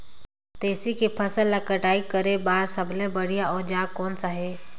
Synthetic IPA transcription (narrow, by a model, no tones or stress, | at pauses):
t̪eːsikipʰəsəlːəkəʈaːikəɾebaːɾsəblebəɽijaɔːɾd͡ʒaːkɔːnsaɦɛː